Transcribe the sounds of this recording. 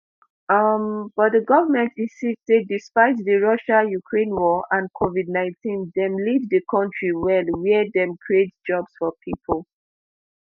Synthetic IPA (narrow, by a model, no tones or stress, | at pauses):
ʌmb̥ɔt̚dəɡɔvəmɛ̃ntĩnsistedːispaɪtðəɹʌʃajukʰɹẽnwɔʔãnkʰovid̚ⁿnãɪ̃ntĩndɛ̃mlivðəkʰɔ̃ntɹiwɛlwɛdɛ̃mkʰɹietd͡ʒɔbsfɔpʰipʰəlˠ